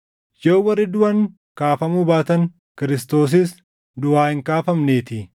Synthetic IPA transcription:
jɐʊwɐrːɪd̪ʊwɐŋ | kaːfɐmuːbaːt̪ɐŋ | kɪɾɪst̪o̞ːs̬ɪs | d̪ʊwaːhɪŋkaːfɐmneːt̪ɪ

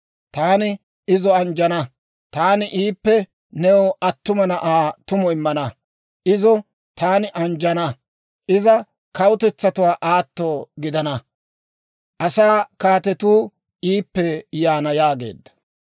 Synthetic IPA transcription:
t̪aːnɪ | ɪzɔɐnd͡ʒɐnɐ | t̪aːnɪʔiːpːɛ | nɛwɔʔɐt̪ːʊmɐnɐʔaːt̪ʊmɔɪmːɐnɐ | ʔɪzɔ | t̪aːnɪʔɐnd͡ʒɐnɐ | ʔɪzɐ | kɐwʊt̪ɛt͡sːɐt̪ʊwaːʔaːt̪ːoːɡɪd̪ɐnɐ | ʔɐsaːkaːt̪ɛt̪uː | iːpːɛjaːnɐjaːɡe̞̰ːd̪ːɐ̥

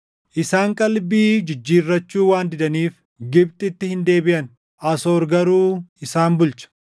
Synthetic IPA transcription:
ʔɪsaːŋkʼɐlbiːd͡ʒɪd͡ʒːiːrːɐt͡ʃːuːwaːnd̪ɪd̪ɐniːf | ɡɪb̚t̪ʼɪt̪ːɪhɪnd̪e̞ːbɪʔɐn | ʔɐsoːɾɡɐɾuːɪsaːnbʊlt͡ʃɐ̥

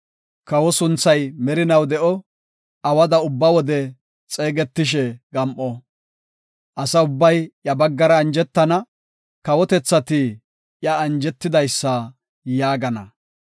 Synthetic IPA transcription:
kɐwɔsʊnt͡sːɐjmɛɾɪnɐwd̪ɛʔɔ | ɐwɐd̪ɐʊbːɐwɔd̪ɛ | t͡sʼe̞ːɡɛt̪ːɪʃ̬ɛɡɐmʔɔ | ʔɐsɐʊbːɐjʔjɐbɐɡːɐɾɐːnd͡ʒɛt̪ːɐnɐ | kɐwɔt̪ɛt͡sːɐt̪ɪ | jɐːnd͡ʒɛt̪ːɪd̪ɐjsːɐ | jaːɡɐnɐ̰

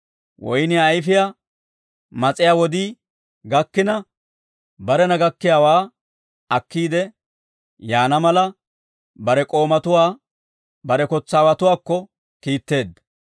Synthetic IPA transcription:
wɔ̰jnɪɐjfɪja | mɐt͡sʼɪjaːwɔd̪iː | ɡɐkːɪnɐ | bɐɾɛnɐɡɐkːɪjaːwaː | ɐkːiːd̪ɛ | jaːnɐmɐlɐ | bɐɾɛkʼo̞ːmɐt̪ʊwaː | bɐɾɛkɔt͡sːaːwɐt̪ʊwaːkːɔ | kiːt̪ːe̞ːd̪ːɐ

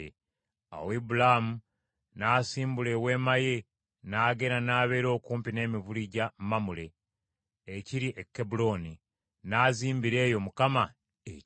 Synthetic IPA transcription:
e | a̰webulamu | naːsiːmbule̞we̞ːmaje̞ | naːɡe̞ɾanaːβe̞ːɾo̞ːkuːmpine̞ːmiβuliɟammamule̞ː | ciɾiʔekːebulo̞ni | naːziːmbiɾe̞ːjo̞mukama | e

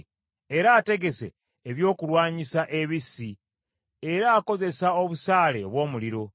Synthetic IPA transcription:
e̞ɾaːte̞ɡe̞se̞̰ː | βjo̞ːkulwaːɲisaʔe̞βisi | eɾaːko̞ze̞sao̞βusaːleβwo̞ːmuliɾo̞

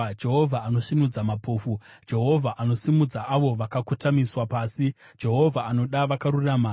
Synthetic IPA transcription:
d͡ʒe̞ɦo̞vʱaːno̞ʃinud͡zamapʰoːfu | d͡ʒe̞ɦo̞vʱaʔano̞simud͡zaʔaʋo̞ʋakakutamiswapaːsi | d͡ʒe̞ɦo̞vʱaːno̞ɗaʋakaɾurama

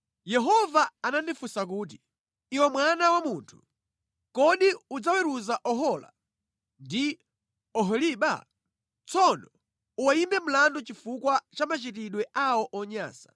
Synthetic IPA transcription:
jɛɦɔvaanandifusak̬uːt̬i̥ | iwɛmwanawamuntʰu̥ | kɔɗiud͡zawɛɾuzaʔɔɦɔla̰ | ndi | ɔɦɔliɓa̰ | t͡sɔnɔ | uwaimbɛm̩landɔt͡ʃifukwat͡ʃamat͡ʃitiɗwɛʔawɔʔɔɲa̰ːsḁ

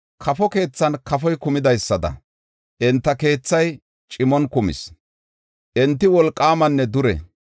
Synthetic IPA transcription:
kʰɐfɔke̞ːt͡sːɐnkɐfɔjkʊmɪd̪ɐjsːɐd̪ɐ̰ | ʔɛnt̪ːɐke̞ːt͡sːɐj | t͡ʃʼɪmɔnkʊmɪ̰s | ʔɛnt̪ːɪwɔlkʼːaːmɐnːɛd̪ʊɾɛ̰

